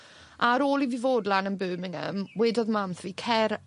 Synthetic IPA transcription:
aɾoːlˠivivoːdlanənbʉːmɪŋə̰mwɛːdɔðmamθviːkʰɛɾ

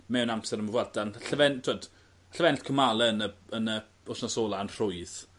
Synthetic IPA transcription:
mɛwnamsɛɾəməvwardanɬəvɛntʰoːd | ɬəvɛntkʰəmalˠəənəənə | ʊsnasɔːlˠanr̥ʊjð

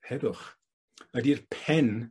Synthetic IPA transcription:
hɛðʊχ | ədirpʰɛn

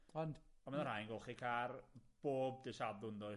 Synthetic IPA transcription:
ɔnd | amanaɾajnɡɔlˠχikʰarb̥oːb̚dɪʃadʊndɔ

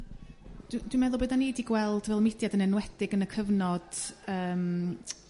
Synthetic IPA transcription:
d̥d̥winmɛðʊbedanediɡwɛlˠdvɛlˠmɪdjadənɛnwɛd̥ɪɡənəkʰəvnɔd̥əːm

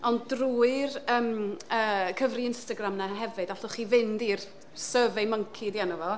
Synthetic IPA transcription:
ɔndruːɨrəːməːkʰəvriɪnstaɡramnaɦɛvɨdaɬɔχiːvɪndiːr | səvɛməŋkʰidianɔvɔ

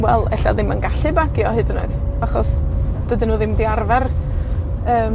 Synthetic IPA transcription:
wɛlˠɛ̰ɬa̰ðɪmənɡaɬɨbaɡjɔɦɨdno̰d̥ | aχɔsd̥ədɪnuːðɪmdiarvɛr | əːm

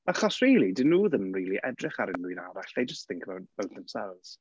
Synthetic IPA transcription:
aχɔsriːlˠidɪnuːðəmriːlˠiʔɛdrɪχaɾɪnʊjnaɾaɬðejd͡ʒəstθɪ̃ŋkʰəbawtb̥awtðɛmsɛlˠvz̥

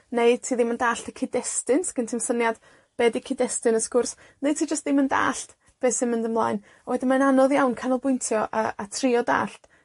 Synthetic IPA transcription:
neɨtʰiːðɪməndaːɬtəkʰɪdɛstɨnskɪntʰɪmsənjad | b̥ɛːdikʰɪdɛstɨnəskʊrs | nej̚tʰiːd͡ʒəstðɪmənda̰ːɬt | b̥eːsɪnmɪndəmlˠa̰ːjn | wɛdɪnmananɔðjawnkʰanɔlˠbʊɨntʰjɔʔəatʰriɔda̰ːɬt

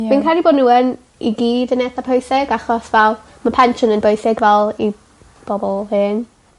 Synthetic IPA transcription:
minkʰalˠiboːdⁿnuːən | ḭɡiːdənɛθapʰojsɪɡaχɔsvɛlˠ | mapʰɛnʃɔnənbojsɪɡvɛlˠi | b̥ɔbɔlˠhɨn

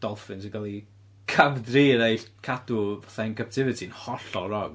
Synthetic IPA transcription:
d̥ɔlˠfɨnsəɡalˠi | kʰavdriːɾejɬkʰadʊvaθaɨnkʰap̚tʰɪvɨtʰinhɔɬɔɾɔɡ

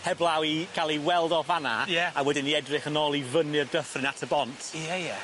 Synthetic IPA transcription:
hɛblˠawiɡ̥alˠiwɛlˠdɔvanajɛawɛdɪniɛdrɪχənɔːlˠivənɪrdəfθrɪnatʰəbɔntʰjɛjɛ

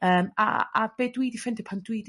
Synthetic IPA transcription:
əːma̰a̰b̥eːdwiːdifɪndɪpʰandwidi

